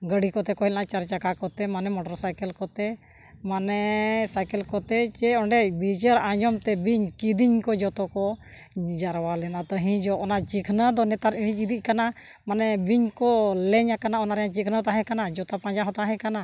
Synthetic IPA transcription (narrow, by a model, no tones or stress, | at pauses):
ɡəɽikɔt̪ɛkɔɦɛlnat͡ʃaɾt͡ʃakakɔt̪ɛmanɛmɔʈɔɾsajkɛlkɔt̪ɛ | manɛsajkɛlkɔt̪ɛt͡ʃɛɔɳɖɛbid͡ʒəɾãd͡ʒɔmt̪ɛbiɲkid̪iɲkɔd͡ʒɔt̪ɔkɔ | d͡ʒaɾwalɛnat̪ɔɦĩd͡ʒɔʔɔnat͡ʃikʰnəd̪ɔnɛt̪aɾiɽ̃iid̪iʔ̚kana | manɛbiɲkɔlɛɲakanaɔnaɾɛjãt͡ʃikʰnəɔt̪aɦɛ̃kanad͡ʒɔt̪apãd͡ʒaɦɔt̪aɦɛ̃kana